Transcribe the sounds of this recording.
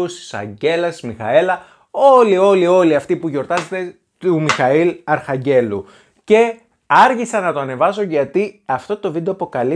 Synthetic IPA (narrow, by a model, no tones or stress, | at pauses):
usi̥sɐ̰ɲɟe̞lɐsizmixɐ̰e̞lɐ | o̞lio̞lio̞liɐft̪ipuʝo̞ɾt̪ɐzet̪e̞ | t̪umixɐilɐɾxɐɲɟe̞lu | ce̞ | ɐɾçisɐnɐt̪oɐne̞vɐsoʝɐt̪iɐft̪o̞t̪o̞vid̪oɐpo̞kɐli